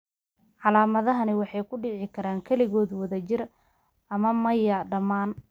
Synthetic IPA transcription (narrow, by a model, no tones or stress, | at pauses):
ʕɑlaːmɐðɐɦɐnɪwɑħɑjkʰʊɖɪʕɪkʰɐɾaːŋkʰɐlɪɣɔːðwɐðɐt͡ʃɪr | ʔɐmɐmɐjɐɖɐmaːn